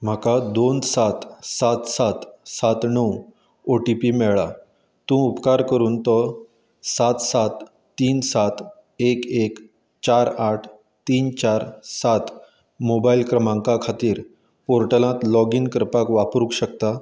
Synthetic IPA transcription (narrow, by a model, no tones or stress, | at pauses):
m̤akad̪onsat̪sat̪sat̪sat̪nəw | oʈipimɛɭa | t̪ũupkaɾkəɾuːnt̪ə | sat̪sat̪ː | iːnsat̪ | ekek | t͡ɕaɾaʈʰ | t̪iːnt͡ɕaɾsat̪ | mobailkɾəmãŋkakʰat̪iːɾ | poɾʈəlãt̪lɔɡinkəɾpakʋapɾukɕəkt̪a